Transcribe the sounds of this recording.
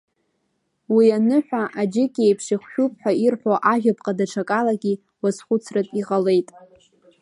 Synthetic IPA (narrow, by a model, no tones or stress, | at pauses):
wianɨħʷᶣaʔad͡ʒɪkʲʼejpʰʂiχʷʃʲᶣupʼħʷᶣairħʷoʔaʒᶣapʼqʼadaʈ͡ʂʰakʼalaɡʲi | wasχʷʊt͡sʰratʼiʁale̞jtʼ